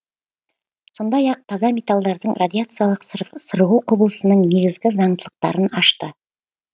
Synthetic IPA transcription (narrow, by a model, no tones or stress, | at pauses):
so̞nd̪ɑjɑq̚t̪ʰɑzɑmʲe̞t̪alˠd̪ɑɾd̪əɴrad̪ʲiat̪sɨjalˠəqsəɾʁuwqʰʊbəlˠəsənəɴne̞ɡʲɪzɡʲɪzɑɴd̪əlˠəq̚t̪ɑ̰ɾənɑʃt̪ə